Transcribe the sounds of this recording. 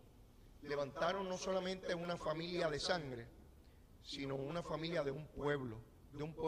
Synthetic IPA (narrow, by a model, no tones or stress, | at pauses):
le̞β̞ãnt̪aɾo̞nːo̞so̞lamẽ̞nt̪e̞unafamiljaðe̞sãŋɡɾe̞ | sino̞unafamĩljaðe̞umpweβlo | d̪e̞umpwe